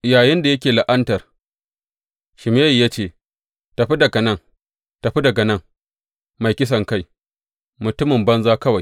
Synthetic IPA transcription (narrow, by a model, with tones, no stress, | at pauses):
jaː˨jɪ˦nda˨jɐ˦k̬ʲeː˨la˨ʔɐ˦ntɐ˨r | ʃɪ˨meː˦jjaː˦t͡ʃeː˦˨ | ta˨ɸi˦dɐ˨ɡɐ˨nɐ˦˨ŋ | ta˨ɸi˦dɐ˨ɡɐ˨nɐ˦˨ŋ | ma˨jkʲɪ˦s̬ɐ˨ŋka˦˨j | mʊ˨tʊ˦mɪ˨mbɐ˦nzaː˦kɐ˦wa˨j